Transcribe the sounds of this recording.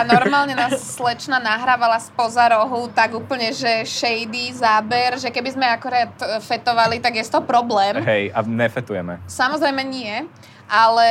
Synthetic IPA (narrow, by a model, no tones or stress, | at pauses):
anɔɾmaːlɲɛnaːssːlɛt͡ʃnanaɦɾaːʋalaspɔzaɾɔɦut̪aɡuːpl̩ɲɛʒɛʃɛjd̪izaːbɛɾʒɛkɛbizmɛakuɾaːt̪fɛt̪ɔʋalit̪aɡjɛst̪ɔɦɔpɾɔblɛːmɦɛjaɲɛfɛt̪ujɛmɛ̰samɔzɾɛjmɛɲɪɛ | ʔalɛ